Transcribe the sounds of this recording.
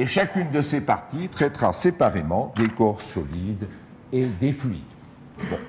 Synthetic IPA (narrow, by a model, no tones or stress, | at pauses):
eʃakʲynd̪əsepaʁt̪it̪χɛt̪χa̰sepaʁemɑ̃d̪ekɔʁsɔlid̪ | ed̪eflɥḭd̪ | bɔ̰̃